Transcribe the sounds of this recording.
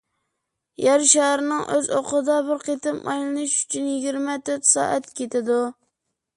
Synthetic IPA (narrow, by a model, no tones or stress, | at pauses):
jæɾʃæɾɪnɪŋʔøzoqʰɨd̪ɑbɪɾqʰet̪ɪmʔɑ̰jlɪnɪʃy̥t͡ʃʰynjɪɡʲiɾmɛt̪ʰøɾt̪sɑ̰ːʔæt̪kʲʰet̪ʰɪd̪ʊ